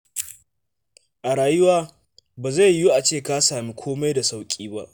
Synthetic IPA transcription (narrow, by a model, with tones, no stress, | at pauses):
ʔa˨ɽaː˨jʊ˦waː˦ | baː˨za˦˨jjːu˦ʔa˨t͡ʃeː˦˨ka˦saː˨mi˦kʷʰoː˦ma˦jda˨sa˦wkʲʼiː˦ba̰˦ʔ